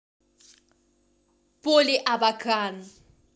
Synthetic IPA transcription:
pʼʊlɪʔabakʰʼaːna

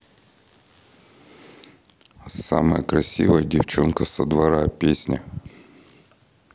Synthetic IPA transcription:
sa̰mɐjəkɾɐsʲḭʋəjɐdʲɪft͡ʃɔnkɐsɐd̪ʋɐɾapʲesʲnʲɐ

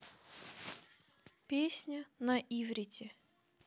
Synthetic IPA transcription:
pʲesʲnʲənɐʔivɾʲɪtʲɪ

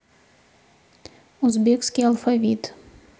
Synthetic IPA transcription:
uzbʲekskʲijɐlˠfɐvʲit̪

